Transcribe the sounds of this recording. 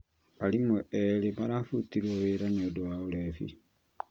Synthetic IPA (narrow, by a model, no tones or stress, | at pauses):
alimweeleβaɾafutiɾwoβeɾaneodowaolefḭ